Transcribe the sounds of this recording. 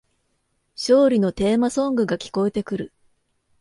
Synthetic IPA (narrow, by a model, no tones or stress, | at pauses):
ɕo̞ːɾʲino̞t̪e̞ːmasõ̞ŋɡɯ̟ɡakʲi̥ko̞e̞t̪e̞kɯ̟ɾɯ̟